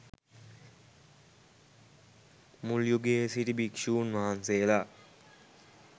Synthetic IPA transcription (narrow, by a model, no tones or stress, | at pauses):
muljuɡeːsiʈibikʂuːnʋaɦanseːla